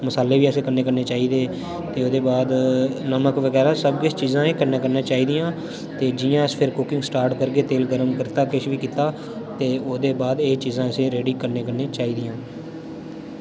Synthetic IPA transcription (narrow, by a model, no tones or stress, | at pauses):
məsaːleːʋiːəːseːkəɾneːkəɾneːt͡ʃaːiːd̪eː | t̪eːoːd̪eːbaːd̪nəməkʋəɡɛːɾaːsəbkɪt͡ʃt͡ʃiːzãːeːkəɾnaːkəɾnaːt͡ʃaːiːd̪ɪjãː | t̪eːd͡ʒɪːjãːspʰɪɾkʊkɪŋɡsʈaːɾʈkəɾɡeːt̪eːlɡəɾəmkəɾt̪aːkɪʃʋiːkiːt̪aː | t̪eːoːd̪eːbaːd̪eːt͡ʃiːzãːəseːɾeːɖiːkəɾneːkəɾneːt͡ʃaːiːd̪ɪjãː